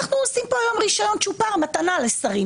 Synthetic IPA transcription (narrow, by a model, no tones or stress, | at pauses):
aχnuosimpoajomʁiʃajo̞nt͡ʃupaʁmat̪analesaʁi